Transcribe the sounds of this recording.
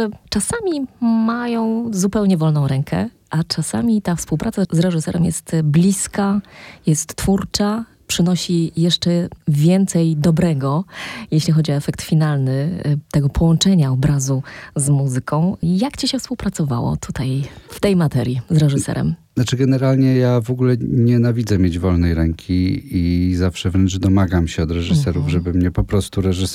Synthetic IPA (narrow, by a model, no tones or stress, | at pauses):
ɛt͡ʂasamʲimajɔ̃w̃zupɛwɲɛvɔlnɔ̃w̃ɾɛŋkʰɛ̰ | ʔat͡ʂasa̰mʲit̪afspuwpɾat̪sazɾɛʐɨsɛɾɛmjɛ̰st̪blʲiskajɛst̪ːfuɾt͡ʂa | pʂɘnɔɕijɛʂt͡ʂɛvʲjɛnt̪sɛjd̪ɔbɾɛɡɔjeɕlʲixɔd͡ʑiɔɛfɛk̚t̪fʲinalnɘt̪ɛɡɔpʰɔwɔnt͡ʂɛɲaɔbɾazuzmuzɘkʰɔ̃w̃jakt͡ɕiɕɛfspuwpɾat̪sɔva̰wɔ̰t̪ʰut̪ajft̪ɛjmat̪ɛɾʲjizɾɛʐɨsɛ̰ɾɛ̰mnat͡ʂɘɡɛnɛɾalɲɛjavɔɡulɛɲɛnavʲid̪zɛmʲjed͡ʑvɔlnɛjɾɛŋkʲʰiizafʂɛvɾɛnt͡ʂd̪ɔmaɡamɕɛɔd̪ɾɛʐɨsɛɾuvʐɛbɘmɲɛpɔpɾɔst̪uɾɛʐɨs